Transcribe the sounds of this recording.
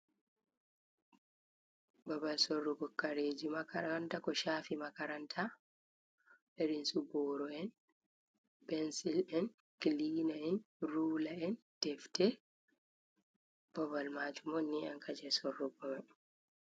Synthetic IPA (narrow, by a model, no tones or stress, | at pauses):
babalsɔrːɔɡɔkːaɾeːd͡ʒimakaɾantakɔʃaːfimakaɾantʰa | ɛɾinsubɔːɾɔɛn | bɛnsilɛn | kiliːnaɛn | ɾuːlaɛn | tɛftɛ | b̥ɔbalmaːd͡ʒumɔnːiaŋkʰad͡ʒɛsɔrːɔbɔba